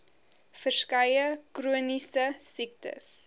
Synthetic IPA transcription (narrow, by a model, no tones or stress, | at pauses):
fərskɐjəkruənisəsik̚tə̰s